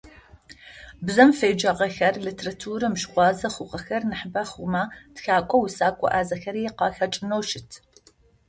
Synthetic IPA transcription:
bzɐmfejd͡ʒɐʁɐxɐrlɨtʰerɐtʰuːɾɨmʃχʷɑːzɐχʷʊqɐxɐrnɨħəbaχʊmaːd̥xaːkʷʼɔwʊsaːkʷʼɔ̰ʔaːzɐxɐɾiːqɑːxɐt͡ʃʼɨnowʃɪtʰ

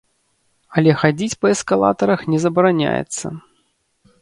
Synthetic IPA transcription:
ɐlʲɛxad͡zʲit͡sʲpɐɛskalˠa̰t̪ɐɾɐxnʲɛzɐbɐɾanʲa̰jɛ̰t̪sːɐ̰

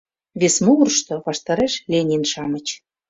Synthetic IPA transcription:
βesmuurʃt̪ŏβɑʃt̪ɑɾeʃlʲenʲinʃɑmə̆t͡ɕ

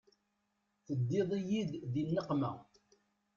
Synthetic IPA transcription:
θəd̪ːɪðˤijid̪ðinːəqmæ

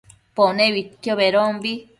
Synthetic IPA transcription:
ponẽβit̪ːjoβeɾombi

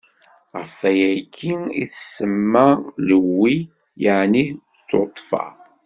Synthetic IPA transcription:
ʁəfæjækːiḭθsəmːaləwːi | jaʕni | t͡sːot̪ˤːfɑ̰

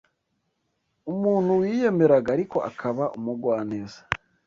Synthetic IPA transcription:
umuːn̥huwiːje̞me̞ɾaɡaːɾiko̞ʔa̰kʰaβaʔumuɡwaːnezḁ

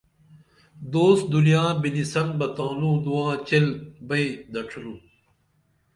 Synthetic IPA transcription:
d̪oːs̚d̪unijãːbinisɐnbɐt̪ãːlũːd̪uwãːt͡ɕelbɐid̪ɐʈ͡ʂʰɾu

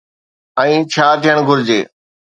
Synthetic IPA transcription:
ɛ̃ĩːt͡ɕʰaːt̪ijəɽ̃ɡʱʊɾd͡ʑḛː

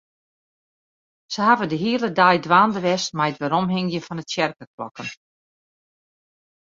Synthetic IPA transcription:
səhavəndəɦiələdajdʋaːndəʋɛstmajətʋɛɾɔmɦɪŋjəfɔnətsjɛrkəklɔ̰kən

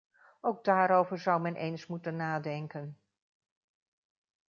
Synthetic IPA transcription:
ʔowɡ̚daːɾowvəɹzʌwmɛnʔḛjnsmutənːaːdɛŋkən

